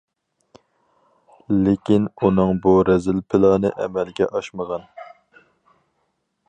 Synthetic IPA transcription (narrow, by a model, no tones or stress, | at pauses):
lekʲʰinunɨŋbuɾɛzɪlpʰɪlˠɑːnɨʔɛmɛlɡʲɛʔɑʃməʁɑn